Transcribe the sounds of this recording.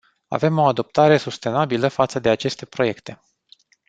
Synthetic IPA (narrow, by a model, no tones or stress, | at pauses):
a̰ve̞mo̞ad̪o̞p̚t̪aɾe̞sust̪e̞nabiləfat̪səd̪e̞at͡ʃe̞st̪e̞pɾo̞je̞kt̪e̞